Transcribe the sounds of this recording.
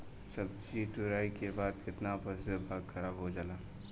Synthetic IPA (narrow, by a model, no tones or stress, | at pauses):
sɐb̚d͡ʒit̪ʊɾaːikebaːd̪kɪt̪napəsebʱaːɡxʰɐɾaːbɦod͡ʒaːlaː